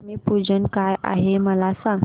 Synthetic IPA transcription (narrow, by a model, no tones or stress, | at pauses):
miːpud͡zənkajʔa̰ɦeməlasãŋ